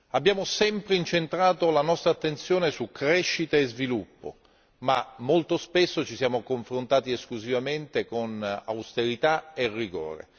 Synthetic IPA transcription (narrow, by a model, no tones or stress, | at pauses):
abːjaːmosɛmpɾeint͡ʃent̪ɾaːt̪olanɔst̪ɾat̪ːent̪sjoːnesukːɾɛʃːit̪aezvilupːo̰ | mamːolt̪ospesːot͡ʃisjaːmokoɱfɾont̪aːt̪ieskluzivament̪ekona̰wst̪eɾit̪aerːiɡo̰ːɾḛ